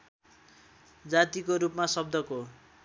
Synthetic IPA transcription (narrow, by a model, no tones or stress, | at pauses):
d͡zat̪ikoɾupmasʌb̚d̪ʱʌko